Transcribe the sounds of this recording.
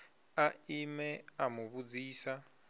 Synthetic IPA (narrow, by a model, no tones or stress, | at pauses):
aimɛamuβud͡ziːsa